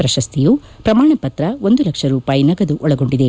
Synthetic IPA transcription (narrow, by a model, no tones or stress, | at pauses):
pɾɐʃɐst̪ijupɾɐmaːɳɐpɐt̪ɾɐo̞nd̪ulɐkʂɐɾuːpaːjinɐɡɐd̪uʔɔɭɐɡo̞ɳɖid̪e